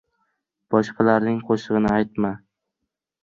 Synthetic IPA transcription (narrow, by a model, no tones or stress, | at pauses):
b̥ɒʃqʰɑlaɾnɪŋqʰoʃɨʁɨnɪajt̪ma